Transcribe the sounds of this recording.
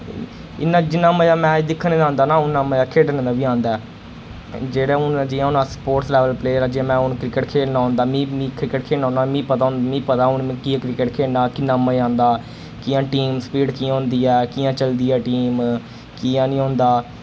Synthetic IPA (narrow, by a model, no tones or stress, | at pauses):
ɪ̰naːd͡ʒɪnːãːməjãːmɛ̃ːd͡ʒd̪ɪkʰːəñːãːnd̪aːnaːʊnːãːməjaːkʰeːɽnãːd̪aːbiːãːnd̪aɛː | d͡ʒeːɽaːʊnd͡ʒiːãʊnãːspoːʈslɛːʋəlpleːɾaːd͡ʒiãːmɛ̃ːʊnkɾɪkəʈkʰeːlnaːɦõːnd̪aːmĩːmĩːkɾɪkəkʰeːnaːʊːnaːmĩːpət̪aːɦʊ̃nd̪amĩːpət̪aːʊnmẽːkiːãːkɾɪkəʈkʰeːlnaːkɪnːaːməãːnd̪aː | kɪãːʈiːmspiːɖkĩːɦõːnd̪iːɛːkiːãːt͡ʃəld̪iːɛːʈiːm | kiːãːnĩːɦõːnd̪aː